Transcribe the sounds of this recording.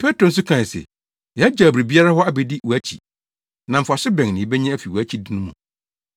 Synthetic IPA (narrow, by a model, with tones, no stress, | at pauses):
pʰɛ˦tɾo˨n̩˦s̬ʊ˦kʰã˨n˨sɛ̰˨ | jɛ˨˦a˦d͡ʑaː˨bɾi˨bi˦a˦ɾa˦ɦɔ˦a˦bɛ˨dɪ˦wu˨æ˦t͡ɕʰḭ˨ | nã˨m̩˨fa˨ɕɪ˦bɛ̃˨ŋnɪ̃˨˦bɛ˦ɲɛ̃˦æ˦fi˨wæ˦t͡ɕʰi˦dɪ˦nʊ̃˦mũ˨